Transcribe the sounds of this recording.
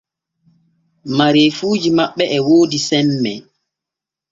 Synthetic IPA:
maɾefuːd͡ʒimaɓːɛʔɛwoːdisɛmːɛ̰

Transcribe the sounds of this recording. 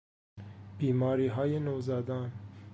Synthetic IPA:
b̥iːmɒːɾiːɦɒːjenozɒːd̪ɒn

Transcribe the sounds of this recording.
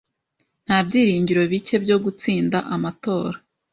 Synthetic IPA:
n̥habɟiːɾiːɲɟiɾo̞βice̞bjo̞ɡut͡siːndaʔamato̞ːɾa

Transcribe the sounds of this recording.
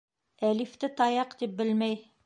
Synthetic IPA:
ælift̪ɘt̪ɑjɑqt̪ip̚bɘlmæj

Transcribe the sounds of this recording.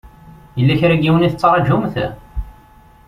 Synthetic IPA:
jəlːæçɾæɡiwəniθət͡sːɾˤɑʒumθæ

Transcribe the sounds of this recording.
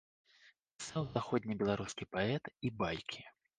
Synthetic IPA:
sawzaxɔd̪ʲnʲibʲɛlˠaɾuskʲipaɛt̪ibajkʲʰi

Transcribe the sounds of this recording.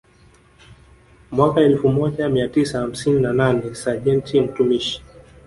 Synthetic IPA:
mwakaɛlfumɔʄamiatisaham̩sininananɛsaʄɛntʰim̩tumiʃi̥

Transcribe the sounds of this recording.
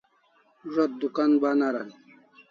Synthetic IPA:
ʐot̪̚d̪ukanbanaɾan

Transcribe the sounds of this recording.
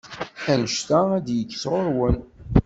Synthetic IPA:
ænəʃt̪ææd̪jəkːsʁoɾwən

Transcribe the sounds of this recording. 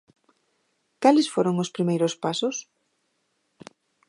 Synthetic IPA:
kalɪsfoɾoŋʊspɾimejɾʊspasʊs

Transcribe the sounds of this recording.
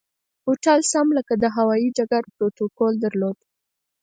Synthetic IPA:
hoʈalsamləkad̪əɦawɑid͡ʒaɡaɾpɾot̪okold̪aɾlod̪

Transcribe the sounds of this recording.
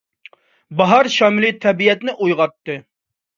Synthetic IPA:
bɑɦɑɾʃɑːmɪlit̪ʰɛbijɛt̪nɪʔujʁɑt̪ːɨ

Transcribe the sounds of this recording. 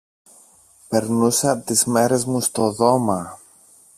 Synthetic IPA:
pe̞ɾnuseɐot̪izme̞ɾe̞zmust̪oðo̞mɐ

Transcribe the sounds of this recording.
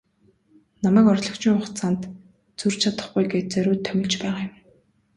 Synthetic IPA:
namæːkɔrɮɞ̆kt͡ɕiːŋʊχt͡saːnt̪ | t͡sur̥t͡ɕʰat̪ə̆χɡujɡeːt͡sœɾʊːt̪ʰːœmʲɪ̆ɮt͡ɕpæːʁaːjʊ̆m

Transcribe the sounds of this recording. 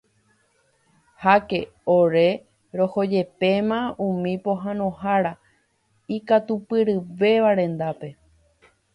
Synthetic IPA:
hake̞ | o̞ɾe | ɾo̞ho̞d͡ʒe̞pe̞mãũmĩpo̞ɦãnõ̞ɦaɾa | ikat̪upɨɾɨʋe̞ʋaɾẽ̞nd̪ape̞

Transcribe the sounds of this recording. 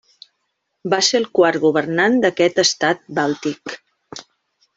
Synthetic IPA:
baselˠkwaɾɣuβ̞ərnand̪əkɛt̪əst̪at̪̚balˠt̪ik

